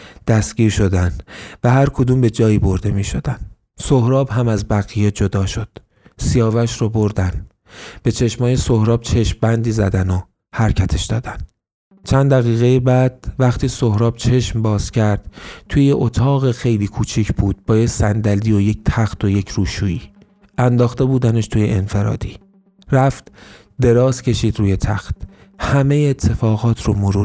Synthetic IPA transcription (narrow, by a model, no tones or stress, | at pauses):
d̪̥æst̪ɡ̥ʲiːɾʃo̞d̪ænvæɦæɾkʰod̪uːmbe̞d͡ʒɒːjiːbo̞ɾd̪e̞miːʃo̞d̪æn | sohɾɒːbɦæmæzbæɣijed͡ʒod̪ɒːʃo̞d̪̥ | sijɒːvæʃɾɔboɾd̪æn | b̥e̞t͡ʃʰe̞ʃmɒːjesohɾɒːb̥̚t͡ʃʰe̞ʃmbænd̪iːzæ̰d̪æno | hæɾcʰæt̪ʰe̞ʃd̪ɒ̰ːd̪æn | t͡ʃʰænd̪æɣiːɣejibæd̪̥̚væχt̪ʰiːsohɾɒːb̥̚t͡ʃʰe̞ʃmbɒːz̥cʰæɾd̪̥t̪ʰuːjeʔot̪ʰɒːɣexe̞jliːkʰuːt͡ʃʰicʰb̥uːd̪̥̚bɒːjecsænd̪æliːo̞ject̪ʰæxt̪ʰoje̞cʰɾuːʃuːiː | ʔænd̪ɒːxt̪e̞buːd̪æneʃt̪ʰuːje̞ʔenfe̞ɾɒ̰ːd̪̥iː | ɾæft̪ | d̪e̞ɾɒːzcʰe̞ʃiːd̪ɾuːje̞t̪ʰæxt̪ | hæme̞jeːt̪ʰːe̞fɒːɣɒːt̪ʰɾomoɾuː